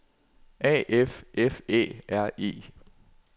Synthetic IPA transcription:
ʔɛ̰ːʔefʔefḛːæɐ̰ḭː

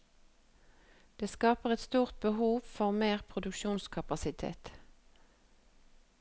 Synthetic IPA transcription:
d̪̥eːskɑːpəʁɛt̪st̪uːʁt̪̚bəhuːʋfɔʁmeːʁpʰʁʊd̪ʉkʃuːnskʰɑpɑsɪt̪ʰḛːt̪

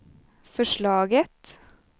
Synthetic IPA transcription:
fɔʃɭɑːɡət̪

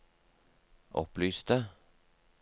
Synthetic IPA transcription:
ʔɔ̰plyːst̪ə

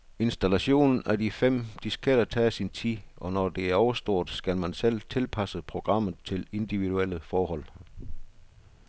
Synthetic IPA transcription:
e̝nsd̥ælæɕo̝̰ːnn̩ædifem̰d̥isɡ̥ʰed̥ɐt͡sʰɛːsint͡sʰḭʔɒ̽nɒd̥e̝æɐɒʊɐsd̥o̝ɐ̰d̥sɡ̥ælmænsel̰t͡sʰe̝lpʰæsəpʰʁo̝ɡ̥ʁɑ̈m̰ð̩ˠt͡sʰe̝le̝nd̥iʋiduel̰əfɒːɦɒ̽l̰

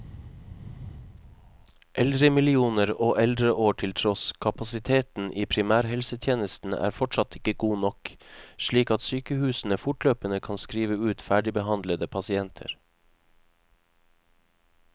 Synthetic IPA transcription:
ʔɛld̪ɾəmɪlɪuːnəɾoːʔɛld̪ɾəʔoːʈʰɪlt̪ʰɾɔskʰɑpɑsɪt̪ʰeːt̪n̩ʔiːpʰɾɪmæːɾhɛlsət̪ʰjeːnəst̪n̩ʔæ̰ːɾfɔʈʃɑt̪ɪkəɡuːnɔkʃɭiːkɑt̪syːkəhʉːsn̩əfʊʈløːpənəkʰɑnskɾiːʋəʉːt̪fæːɖɪbəhɑnd̪ləd̪əpʰɑsɪɛnt̪ʰə̰ɾ

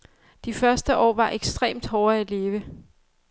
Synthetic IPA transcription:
d̥ifɶɐsd̥əʔɒ̰ːʋɑ̈ʔeɡ̥sd̥ʁḛːmd̥hɒːæle̝ːʋə

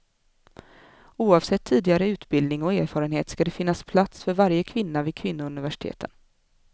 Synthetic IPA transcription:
uːɑvsɛt̪ʰːiːd̪ɪɡaɾəʉ̟ːt̪bɪld̪nɪŋɔeːɾfɑːɾənheːt̪skad̪ɛfɪnːaspʰlat̪sfœɾvaɾjəkʰvɪnːavɪdkʰvɪnːʊɵnɪvæʂɪ̥t̪ʰḛːt̪ʰə̰n

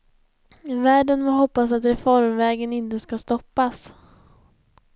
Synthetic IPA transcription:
væːɖənfɔɦɔpːasat̪ɾɛfɔɾmvɛːɡənɪnt̪əskast̪ɔpːas

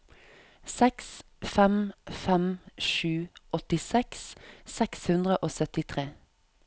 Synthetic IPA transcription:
sɛks | fɛmfɛmʃʉːʔɔt̪ɪsɛkssɛkshʉnd̪ʁəʔoːsœt̪ɪt̪ʰʁeː

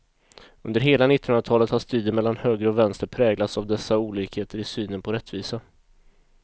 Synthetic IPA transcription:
ɵnd̪əɾɦeːlanɪt̪ːɪnɵnɾat̪ʰɑːlət̪haʂt̪yːd̪əmɛlːanhøːɡɾəɔvɛnst̪əɾpʰɾɛːɡlat̪savd̪ɛsːauːliːkheːt̪əɾɪsyːnənpʰɔɾɛt̪ːviːsa

